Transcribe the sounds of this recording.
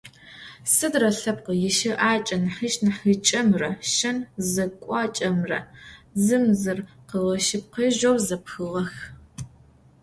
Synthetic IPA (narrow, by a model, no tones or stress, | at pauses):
sɨdrɐɬɐp̚qəjɪʃɪʔaːt͡ʃʼɐnħɨʃnɨħɨt͡ʃʼɐmrɐʃɐnzɐkʷʼɑːt͡ʃʼɐmrɐ̰zɨmzɨr | qəʁɐʃɪp̚qeʒowzɐpxɨʁɐx